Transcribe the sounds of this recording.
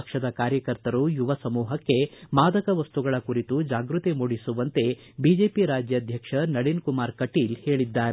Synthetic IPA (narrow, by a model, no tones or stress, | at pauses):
kʂɐd̪ɐkaːɾjɐkɐɾt̪ɐɾujuʋɐsɐmuːɦɐkːe̞maːd̪ɐkɐʋɐst̪uɡɐɭɐkuɾit̪ud͡ʒaːɡɾut̪imuːɽisuʋɐnt̪e̞ | bid͡ʒe̞ːpiɾaːd͡ʒjɐːd̪ʱjɐkʂɐnɐɽinkumaːɾkɐʈiːlhe̞ːɭid̪ːaːɾe